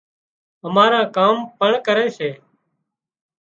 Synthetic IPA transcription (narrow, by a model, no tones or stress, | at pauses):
əmaːɾãːkaːmpəɳkəɾeːseː